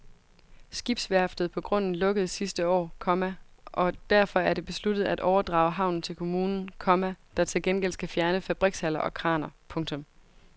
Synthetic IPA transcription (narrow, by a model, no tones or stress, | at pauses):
sɡ̥ib̥sʋæɐfd̥ð̩ˠpʰɒ̽ɡ̥ʁɔ̽n̰n̩lɔ̽ɡ̥əð̞̩ˠsisd̥əɒ̰ːkʰɒ̽mæʔɒ̽d̥æɐfɒ̽æɐɾe̝b̥e̝slud̥ð̩ˠæd̥ʔɒʊɐd̥ʁɑ̈ːʊɦɑ̈ʊ̰n̩t͡sʰe̝lkʰo̝muːnn̩kʰɒ̽mæd̥ɑ̈t͡sʰe̝lɡ̥enɡ̥el̰sɡ̥æfjæɐnəfæb̥ʁiɡ̥shæl̰ɐʔɒ̽kʰʁɑ̈ːnɐpʰɔ̽ŋt͡sʰɔ̽m